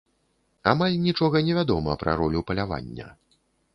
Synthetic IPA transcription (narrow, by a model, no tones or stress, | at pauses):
amalʲnʲit͡ʂɔɣɐnʲɛvʲad̪ɔmɐpɾɐ̰ɾɔlʲupɐlʲava̰nʲːɐ̰